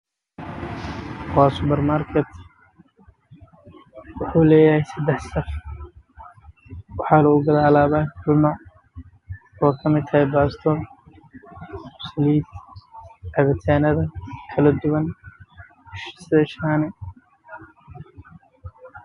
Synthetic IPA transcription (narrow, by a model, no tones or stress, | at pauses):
waːsʊbɛrmaːrkʰɛt̪ | wʊħuːlɛːjɐhɛjsɐd̪ɛħsɐf | wɑħɑːlɐɡʊɡɐðaːlaːβaħʊlmɐ | ɔːkʰɐmɪd̪ʰɐɛjbaːst̪ʰɔl | sliːd̪ | ʕɛβɪt̪ʰaːnɐðɐkʰɐlɐd̪ʊwɐn | ʃsɪɐʃaːnɛ